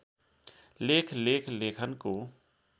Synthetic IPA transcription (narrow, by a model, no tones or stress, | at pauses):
leːkʰleːkʰleːkʰənkoː